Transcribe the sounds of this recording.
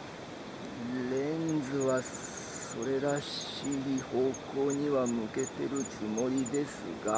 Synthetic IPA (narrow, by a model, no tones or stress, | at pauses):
ɾẽ̞nd͡zɨβa | so̞ɾe̞ɾaɕ | iiho̞ːko̞ːɲ̟iβamɯ̟ke̞t̪e̞ɾɯ̟t͡sɨmo̞ɾʲid̪e̞sɨ̰ɡa